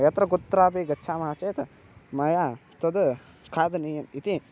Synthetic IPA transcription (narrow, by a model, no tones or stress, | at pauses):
jɐt̪ɾɐkut̪ːɾaːpiːɡɐtːt͡ʃʰaːmɦat͡ʃeːt̪ɐ | mɐjat̪ɐd̪ɐ | kʰaːd̪ɐnijɐmit̪i